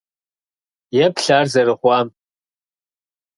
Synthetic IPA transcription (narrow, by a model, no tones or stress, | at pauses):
jɛpɬaːrzɐɾɨχʷɑːm